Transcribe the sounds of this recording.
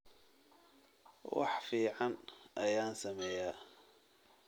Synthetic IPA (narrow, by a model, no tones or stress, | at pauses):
wɑ̰ħfiːʕɑnʔɐjaːnsɐmɛːja